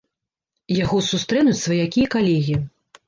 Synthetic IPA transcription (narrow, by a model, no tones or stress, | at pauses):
jaɣɔsust̪ɾɛnut͡sʲsvɐjakʲijɐkalʲɛɣʲi